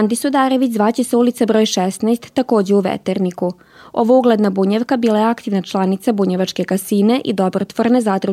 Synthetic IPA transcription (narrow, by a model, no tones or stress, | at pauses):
and̪isud̪aːɾe̞ʋit͡ɕzʋaːt͡ɕeseulit̪sabɾo̞ːjʃesnast̪ːako̞ːd͡ʑeuʋḛt̪eɾniku | o̞ʋouɡled̪nabuɲeʋkabiːlajeakt̪iʋnat͡ʃlˠanit̪sabuɲeʋat͡ʃke̞kasine̞ʔḭd̪o̞bɾot̪ʋoɾne̞zad̪ɾu